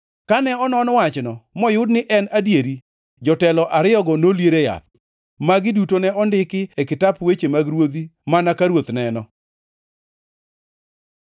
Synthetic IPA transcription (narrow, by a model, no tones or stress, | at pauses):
kanɛɔnɔnwat͡ʃnɔmɔjʊdnɪʔɛnadjeɾi | d͡ʒɔtɛlɔʔaɾɪjɔɡɔnoljeɾeja̰t̪̚ | maɡɪdutonɛɔndɪkɪɛkɪtapwet͡ʃemaɡɾwod̪imanakaɾwot̪nɛnɔ